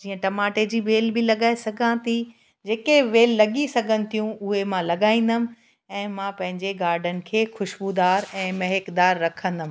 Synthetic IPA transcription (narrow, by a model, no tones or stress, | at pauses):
d͡ʑiːə̃ʈɐmaːʈed͡ʑiːʋeːlbɪlɐɠaːesɐɡʱãːt̪i | d͡ʑeːkeʋeːlːɐɡisɐɡʱənɪ̆t̪ʰijũʊɦemãlɐɠaːĩːn̆d̪əmɪ̆ | ɛ̃ːmãpɐ̃ɦɪ̃ɲd͡ʑeɡaːɾɖənɪ̆kʰeːxʊʃbud̪aːɾɛ̃ːmɐɦekd̪aːɾːɐkʰə̃nd̪əmɪ